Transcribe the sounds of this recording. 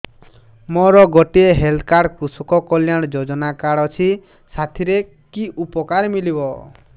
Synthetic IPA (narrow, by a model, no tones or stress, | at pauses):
mɔɾɔɡɔʈieɦeld̪ʰkaɽkɾusukɔkɔljaɽ̃d͡ʒod͡ʒɔnakaɽɔt͡ʃʰi | sat̪ʰiɾe | kiʔupɔkaɾmilibɔ